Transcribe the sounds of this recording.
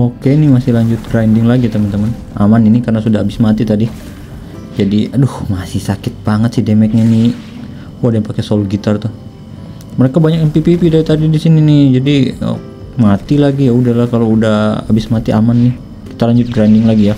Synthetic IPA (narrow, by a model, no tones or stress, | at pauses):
okenɪmasɪlaɲd͡ʒʊt̪̚ɡɾaindɪŋlaɡit̪əmənt̪əman | ʔa̰maninikarnasudaɦabɪsmat̪it̪adi | d͡ʒadiadʊhmasɪsakɪt̪̚baŋət̪sidemɛk̚ɲani | uadajaŋpakɛsɔlɡit̪art̪uh | məɾekabaɲakɛmpipipidaɾit̪adidisininɪhd͡ʒadḭ | mat̪ilaɡijaudahlahkaloudaha̰bɪsmat̪iʔamanːɪh | ki̥t̪alaɲd͡ʒʊt̪̚ɡɾandɪŋlaɡija